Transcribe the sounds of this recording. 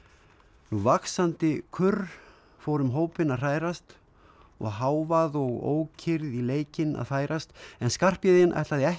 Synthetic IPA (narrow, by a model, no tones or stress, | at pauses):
nuvaksant̪ɪkʰʏɾ | foːwɾʏmɦoːwpɪnaðr̥aːjɾast̪ | ɔ̰ɣɦaːwvaðɔɣo̰ːwcʰɪɾðileːjcɪna̰ðfaːjɾast̪ɛnskar̥pjɪðɪnʔa̰jht̪laðɪɛh